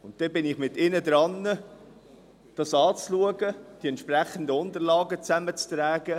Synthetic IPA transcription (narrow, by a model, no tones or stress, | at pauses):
ʊnt̚d̥ɛbɪnɪχmɪtɪnəd̪ɾɑnːə | d̥ɑsɑːt͡sluəɡəd̥iɛntʃpræχən̩dəʊnd̪əɾlɑːɡət͡sæmət͡st̪ɾæːɡə